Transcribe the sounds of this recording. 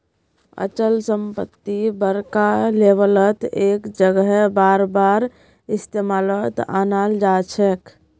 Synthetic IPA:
ə̰t͡ʃəlsəmpət̪ːibəɾkalebələt̪ekd͡ʒəɡəɦɛbaɾbaɾ | ist̪emalət̪a̰nald͡ʒat͡ʃʰɛk

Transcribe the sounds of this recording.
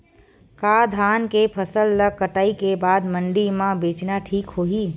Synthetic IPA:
kad̪ʱaːnkepʰəsəlːək̚kːəʈaːikebaːd̪məɳɖimãbeːt͡ʃnaʈʰiːkɦoːɦiː

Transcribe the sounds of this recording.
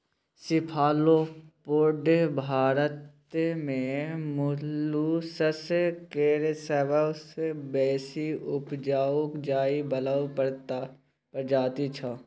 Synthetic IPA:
sɪpʰaːlopoːɖebʱaːɾət̪ | mẽmʊlusəskeːɾesɛbəbsebɛːsiʊpd͡ʒaːokd͡ʒaːibɐlaːw | pəɾd͡ʒaːt̪it͡ʃʰa

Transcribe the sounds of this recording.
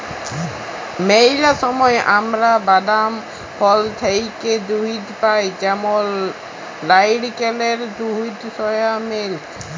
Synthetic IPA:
mejlasɔmɔjʔamɾabad̪am | pʰɔlt̪ʰejked̪uɦit̪pajt͡ʃamɔlː | ajɖkeleɾd̪uɦit̪sɔjamel

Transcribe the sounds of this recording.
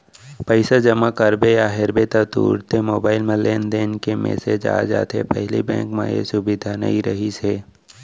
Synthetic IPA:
pəɪsad͡ʒɐmakəɾbejaɦɪɾbet̪at̪ṵːɾt̪ʰemoːbaːɪlmẽleːnd̪eːnkemḛːsed͡ʒa̰ːd͡ʒa̰ːt̪ɦepɛɦlibɛ̰̃ːŋkmã̰jḛsʊbɪd̪ʱanɐ̰ɦiɾɐɦiseː

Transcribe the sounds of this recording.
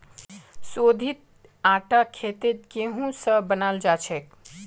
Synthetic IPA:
sod̪ʱit̪̚ | aʈakʰet̪et̪keɦũsəbənald͡ʒat͡ʃʰɛk̚

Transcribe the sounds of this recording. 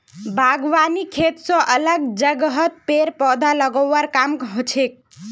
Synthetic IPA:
bʱaɡʋanikʰet̪sɔ̃ʔələɡd͡ʒəɡɦət̪̚peɾpɔd̪ʱaləɡəːaɾkamɦot͡ʃʰek̚

